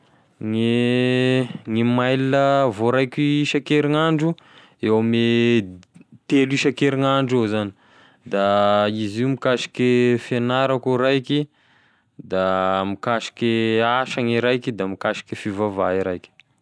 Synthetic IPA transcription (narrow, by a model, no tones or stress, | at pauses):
ŋi | ŋimajləvoɾajkiiʃakeɾiŋaɳɖ͡ʐu | ewame | t̪eliʃakeɾiŋaɳɖ͡ʐezani̥ | d̪aiziumikaʃi̥kefenaɾakuɾajkʲi | d̪amikaʃi̥kʲeaʃaŋiɾajkid̪amikaʃi̥kʲefivavaiɾa̰jkʲi̥